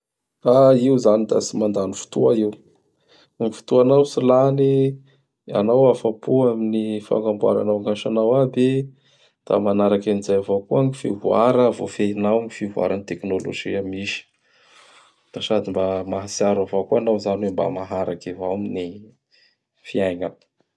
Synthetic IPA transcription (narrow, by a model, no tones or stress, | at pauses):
aiuzanid̪a̰simand̪anifu̥t̪uaiw | ifi̥t̪uanawsilani | a̰nawafapuaminifa̰ŋɡambua̰ɾa̰nawŋɡaʃanawab̪e | d̪̥a̰manaɾakamizajavakuaŋifivuaɾəvo̰feinawmifivua̰ɾanit̪eknolo̰ʒiamiʃi̥ | d̪̥asad̪imbamaɦasiaɾavakuanawzaniwemba̰maɦaɾakivaamini | fiajŋan